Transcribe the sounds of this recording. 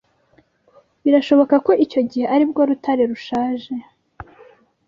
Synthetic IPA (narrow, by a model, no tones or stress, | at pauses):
βiɾaʃo̞βo̞kako̞ʔico̞ɟihe̞ʔaɾibɡo̞ɾutʰaɾeɾuʃaːʒe̞